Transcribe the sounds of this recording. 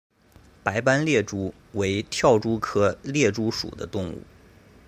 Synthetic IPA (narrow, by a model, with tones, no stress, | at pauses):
pa˧˥ɪpa˥nljɛ˥˩ʈ͡ʂu˥ | we˧˥ɪt̪ʰjɑ˥˩ʊʈ͡ʂu˥kʰɤ˥ljɛ˥˩ʈ͡ʂu˥ʂṵ˨˩d̪ə̰˦t̪ʊ˥˧ŋṵ˥˩